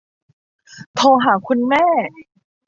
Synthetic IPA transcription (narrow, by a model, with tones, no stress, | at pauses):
t̪ʰoː˧ɦaː˩˦kʰu˧nmɛː˥˩